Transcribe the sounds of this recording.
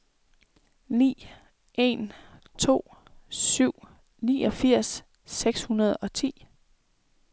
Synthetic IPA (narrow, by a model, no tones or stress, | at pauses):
nḭː | ʔe̝nt͡sʰo̝̰ːsyʊ̰ | nḭːɒ̽fiɐ̰sː | eɡ̥shunɐð̞ˠɒ̽t͡sʰḭː